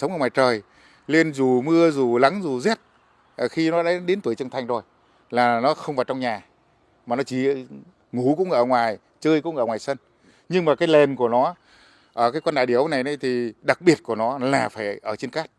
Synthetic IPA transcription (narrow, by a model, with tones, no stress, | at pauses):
sə˨˦ŋ͡mʔəː˧˩ŋwaː˨˩t͡ɕəː˨˩j | li˧ənzu˨˩mɨ˧əzu˨˩la˨˦ŋzu˨˩zɛ˦˥t̚ | ʔə˨˩xi˧nɔ˨˦ɗa˨˦ɗe˨˦nt̪wu˧˩ət͡ɕɨ˧ŋt̪ʰa˧jŋ̟zʰo˧˩j | laː˨˩nɔ˨˦xə˧wŋ͡mvaː˨˩wt͡ɕɔ˧ŋ͡mɲaː˨˩ | maː˨˩nɔ˨˦t͡ɕi˧˩ | ŋu˧˩kʊ̰˧˥ŋ͡mʔəː˧˩ŋwaː˨˩j | t͡ɕəː˧jkʊ̰˧˥ŋ͡mŋʔəː˧˩ŋwaː˨˩sə˧n | ɲɨ˧ŋmaː˨˩kaː˨˦jle˨˩nku˧˩ənɔ˨˦ | ʔəː˧˩kaː˨˦jkwnɗaː˧˨jɗi˧˩əwna˨˩jna˨˦jt̪ʰi˨˩ɗa˨˩k̚ɓi˨˩ət̚ku˧˩ənɔ˨˦laː˨˩faː˧˩jʔəː˧˩t͡ɕi˧nkaː˦˥t̚